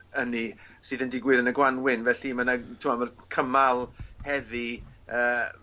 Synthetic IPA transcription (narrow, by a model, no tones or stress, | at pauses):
ənisɨːðəndɪɡwɨðənəɡwanwɪnvɛɬimənatʰɪmamərkʰəmalˠhɛðiəː